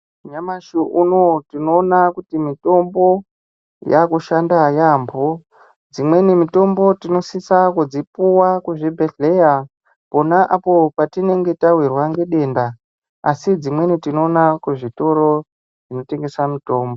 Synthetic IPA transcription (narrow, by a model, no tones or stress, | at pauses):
uɲamaʃuʔunotino̞ːnakutimito̞mbo̞ | jakuʃandajaːmbo | d͡zimwe̞nimito̞mbo̞tino̞sisakud͡zipuwakuʐibʱeɮeja | po̞naʔapo̞patine̞ŋɡe̞tawirwaŋɡeɗe̞nda | a̰sid͡zimwe̞nitino̞ːnakuʐito̞ɾo̞ | ʐino̞te̞ŋɡe̞samito̞ːmbo